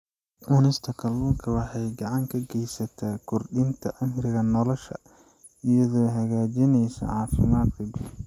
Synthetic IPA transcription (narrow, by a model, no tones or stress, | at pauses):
ʔunɪst̪ʰɐkʰɐlːuːŋkʰɐwɑħɑjɡɑʕɑŋkʰɐɡɛjsɐt̪ʰaːkʰʊrɖɪnt̪ʰɐʔɐmrɪɣɐnɔlɔʃɐ̰ | ɪjɐðɔːɦɐɣaːd͡ʒɪnɛjsɐ̰ʕɑːfɪ̰maːd̪kʰɐbɪ